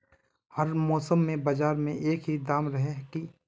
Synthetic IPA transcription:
hɐɾmɔːsəmːẽbɐd͡ʒaːɾmẽʔeːkɦid̪aːmɾɐɦeki

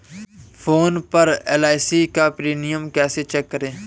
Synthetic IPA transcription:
fʰoːnpəɾeːlaːɪsiːkapɾiːnɪjəmkɛːset͡ʃɛːkːəɾẽː

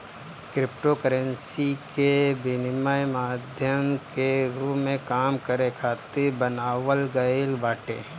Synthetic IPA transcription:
kɾɪp̚ʈokəɾənsikebɪnɪmajmaːd̪ʱjəmkeɾuːẽkaːmkəɾekʰaːt̪ɪɾbənaːʋəlɡəɪlbaːʈḛː

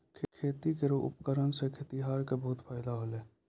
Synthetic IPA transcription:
kʰkʰeːt̪ikeɾoʔʊ̰pkəɾənsekʰet̪iɦaːɾkebəɦʊt̪pʰaːɪd̪aɦoːleː

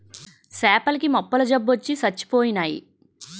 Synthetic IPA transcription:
sɛːpɐlikimɔpːɐlɐd͡ʒɐbːot͡ʃːisɐt͡ʃːi̥poːjinaːjḭ

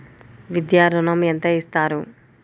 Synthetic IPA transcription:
ʋid̪jaːɾɐnɐment̪ɐist̪aːɾu

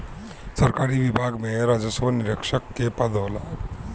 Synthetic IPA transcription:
səɾkaːɾiʋibʱaːɡmẽɾaːd͡ʒəsʋənɪɾəkʃəkːepad̪ʱola

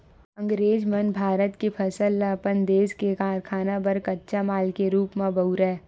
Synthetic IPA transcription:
ə̃ŋɡɾeːd͡ʒmənbʱaːɾət̪kepʰɐsəlːaːpənd̪eːskekaːɾkʰaːnabɐɾkɐtːʃamaːlkeɾuːpmãbɐuɾɛ

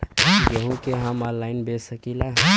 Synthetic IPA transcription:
jəɦũkeɦəmɔ̃nlaːɪnbesəkilaɦɛ̃

